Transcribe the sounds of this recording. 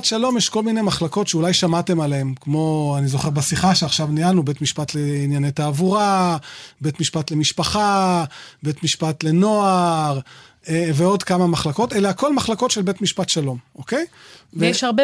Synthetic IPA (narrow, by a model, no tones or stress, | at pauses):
tʃalo̞mjeʃko̞lmine̞maχlako̞tʃeulajʃamate̞maleemkmo̞anizoχeʁbasiχaʃeaχʃavnijanube̞tmiʃpatleinjanetaːvuʁa | betmiʃpatlemiʃpaχa | be̞tmiʃpat̪le̞no̞aʁ | eveo̞dkamamaχlako̞teleako̞lmaχlako̞tʃelbe̞tmiʃpat̪ʃalo̞mʔokejveʃaʁbe